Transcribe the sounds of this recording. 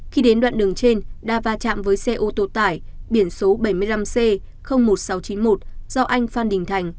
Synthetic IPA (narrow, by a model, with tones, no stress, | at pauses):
xi˧ɗe˨˦nɗwa̰ː˧˨nɗɨ˨˩əŋt͡ɕe˧nɗaː˧˩vaː˧t͡ɕa̰ː˧˨mvəː˨˦jsɛ˧ʔo˧t̪o˧˩t̪aː˧˩jɓi˧˩ənso˨˦ɓə˧˩jmɨ˧əjla˧mse˧ | xə˧wŋ͡mmo˨˩t̚sa˨˦wt͡ɕi˨˦nmo˨˩t̚z̥ɔ˧ʔa˧jŋ̟faː˧nɗï˨˩ŋ̟t̪ʰa˨˩jŋ̟